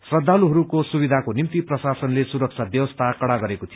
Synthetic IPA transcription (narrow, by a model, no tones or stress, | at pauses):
srʌd̪ʱːaluɦʌɾukosubid̪ʱakonimt̪iprʌsasʌnlesuɾʌk̚sʰab̪jʌwʌst̪ʰakʌɽaɡʌɾekot̪ʰij